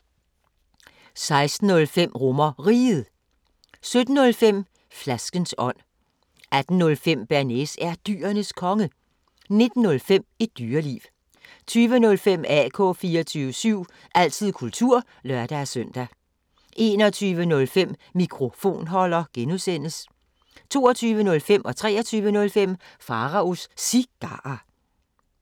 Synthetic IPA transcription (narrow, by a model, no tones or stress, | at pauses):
sɑ̈ɪsd̥n̩ɔ̽lfem̰ʁɔmɐʁḭːð̩ˠ | sød̥n̩ːɔ̽lfem̰ | flæsɡ̥ənsɒ̽n̰ | ʔæd̥n̩ːɔ̽lfem̰b̥æɐnesæɐd̥y̰ːɐnəskʰɒ̽ŋə | ne̝d̥n̩ːɔ̽lfem̰i̥d̥yːɐlḭːʋ | t͡sʰyːʋənɔ̽lfem̰ɛ̰kʰɔ̰̽ːfiːɒt͡sʰyːʋəsyʊ̰ | ʔæl̰t͡sʰið̞̰ˠkʰult͡sʰuɐ̰ | lɶɐd̥ææsœn̰d̥æ | ʔe̝ːnɒ̽t͡sʰyːʋənɔ̽lfem̰ːikʰʁo̝fo̝̰ːnɦɒ̽l̰ɐɡ̥enusen̰əs | t͡sʰo̝ːɒt͡sʰyːʋənɔ̽lfem̰ʔɒ̽t͡sʰʁɛ̰ːɒt͡sʰyːʋənɔ̽lfem̰fɑ̈ʁɑ̈osːiɡ̥ɑ̈ɑ